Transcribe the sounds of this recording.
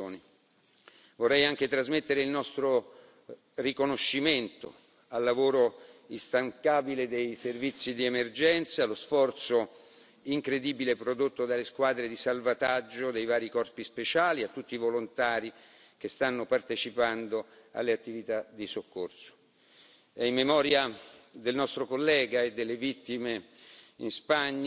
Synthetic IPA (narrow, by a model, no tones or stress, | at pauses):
oːni | vorːɛjaŋk̟et̪ɾazmet̪ːeɾeilnɔst̪ɾo | rikonoʃːiment̪o̰ | alːavoːɾoist̪aŋkaːbiled̪ejservit̪sːid̪iemerd͡ʒɛnt̪salosfɔrt̪so | iŋkɾed̪iːbilepɾod̪ot̪ːod̪alːeskwaːd̪ɾed̪isalvat̪ad͡ʒːod̪ejvaːɾikɔrpispet͡ʃaːliat̪ːut̪ːivolont̪aːɾi | kest̪anːopart̪et͡ʃipand̪o | a̰lːeat̪ːivit̪ad̪isokːorso̥ | ɛimːemɔːɾjad̪elnɔst̪ɾokolːɛːɡaed̪ːelːevit̪ːimeinspaɲː